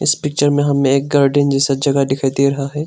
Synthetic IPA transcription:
ɪ̰spɪk̚t͡ʃəɾmẽɦɐmẽeːk̚ɡaːɾɖɪnd͡ʒɛsɐd͡ʒɐɡad̪ɪkʰad̪eɾɐɦaɦɛː

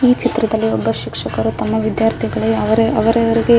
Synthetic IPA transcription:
iːt͡ʃit̪ɾɐd̪ɐlːiɔbːɐʃikʂɐkɐɾut̪ɐmːɐʋid̪jaːɾt̪ʰiɡɐɭɐɐʋɐɾeɐʋɐɾɐʋɐɾiɡe̞

